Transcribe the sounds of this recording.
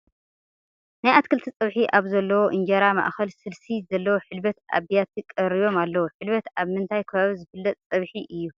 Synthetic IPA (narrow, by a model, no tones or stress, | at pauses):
najʔat̪kʰɨlt̪ʰit͡sʼɨβħiʔaβzɐlːɐwoʔɨnd͡ʒɐɾama̰ʔxɐlsɨlsizɐlːɐwoħɨlbɐt̪ʔa̰βijat̪kʼɐɾijo̞malːɐwoħɨlβɐt̪aβmɨnt̪ʰajkʰɐβaβizɨfɨlːɐt̪ʼt͡sʼɐβħiʔɨjːu